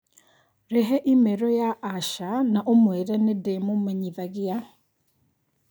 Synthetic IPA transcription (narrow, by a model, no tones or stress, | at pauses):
ɾeɦeʔimeɾojaːʃanaʔomweɾanedemomeɲivaɣija